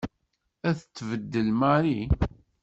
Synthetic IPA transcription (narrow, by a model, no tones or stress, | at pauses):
æθət͡sːvəd̪ːəlmaɾi